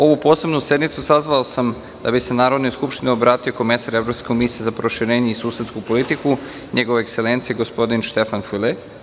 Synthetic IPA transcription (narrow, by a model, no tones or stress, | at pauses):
o̞ʋupo̞ːse̞bnuse̞d̪nit̪susazʋaosam | d̪a̰bise̞naːɾod̪noskupʃt̪ineobɾaːt̪io̞ko̞misaɾe̞vɾo̞pskekomisijezapɾo̞ʃiɾe̞ːɲeisuːse̞t̪skupo̞lit̪iku | ɲe̞ɡoʋeekse̞leːnt̪sijeɡo̞spo̞d̪inʃt̪e̞fanfyle